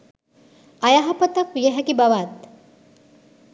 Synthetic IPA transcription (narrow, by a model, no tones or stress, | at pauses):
ɐjaɦɐpɐt̪ɐkʋijeɦɛkibɐʋaːt̪